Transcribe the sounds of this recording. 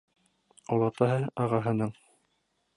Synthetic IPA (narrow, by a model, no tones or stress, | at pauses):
olˠɑt̪ɑɦɤɑʁɑɦɤ̆nɤɴ